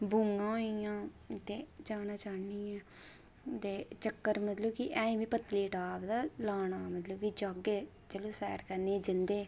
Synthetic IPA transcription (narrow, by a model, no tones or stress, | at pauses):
buŋɡãːɦijãː | t̪eːd͡ʒaːnaːt͡ʃaːniːãː | t̪eːt͡ʃəkːəɾmət̪ləbkiʔɛ̃ːĩːʋĩːpət̪liːʈaːbd̪aːlaːnaːmət̪ləbkid͡ʒaːɡeː | t͡ʃəlõːsɛ̰ːɾkəɾneːd͡ʒɪnd̪eː